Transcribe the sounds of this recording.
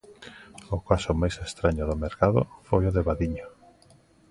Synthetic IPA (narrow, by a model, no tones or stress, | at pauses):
ʊkasʊmajsest̪ɾaɲʊðʊmeɾkaðʊ̰fojʊðeβaðiɲʊ